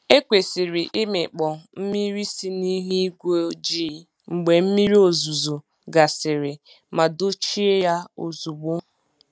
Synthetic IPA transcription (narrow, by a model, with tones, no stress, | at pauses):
e˦kʷe˨sɪ˨ɾɪ˨ʔɪ˦mɪ˨k͡pɔ˨m̩˦mi˦ɾi˦si˦ni˦ɦi˦ɡʷo˦d͡ʒi˦˨˦ | ŋ͡m̩˨ɡ͡be˨m̩˦mi˦ɾi˦o˨zu˨zo˨ | ɡa˨sɪ˨ɾɪ˨ | ma˨do˦t͡ʃi˦e˦ja˦o˨zu˨ɡ͡bo˦